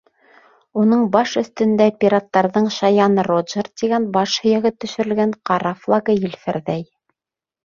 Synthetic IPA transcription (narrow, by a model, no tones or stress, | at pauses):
unɤɴbɑʃɵ̆θt̪ɵ̆nd̪æpʲiɾat̪ːɑɾðɤɴʃɑjɑnroʒɤrt̪iɡænbɑʃhɵ̆jæ̆ɣɘt̪ːɵ̆ʃɵ̆ɾɘ̆lɡæŋqɑɾɑflˠaɡɤjɘ̆lfæɾðæj